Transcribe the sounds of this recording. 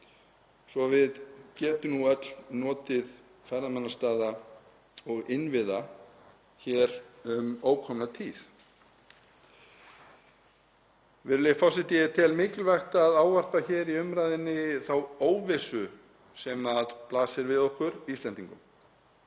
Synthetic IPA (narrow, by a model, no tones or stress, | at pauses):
svɔvɪðcɛːt̪ʏnuœt̪lnɔːt̪ɪð | faɾðamanːast̪aːða | ɔɣɪnvɪða | çɛɾʏmoːwkʰɔmnat̪ʰiːθ | vɪɾlɪfɔwsɪt̪ɪt̪ʰɪlmɪːcɪlvɛxt̪aðaːwvar̥p̪açɛːɾiʏmɾaːjðɪnːɪθawoːwvɪsʏ | sɛmaðplaːsɪɾvɪðɔhkʏɾiːst̪lɛnt̪iŋkʏm